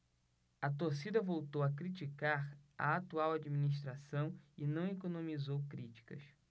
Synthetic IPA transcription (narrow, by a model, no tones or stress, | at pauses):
ɐt̪oɾsid̪ɐvowt̪owɐkɾit͡ʃikaɾɐ̰at̪uawad͡ʒiminiʃ̬t̪ɾasɐ̃w̃ɪnɐ̃w̃ekonõmizowkɾit͡ʃi̥kɐ̰s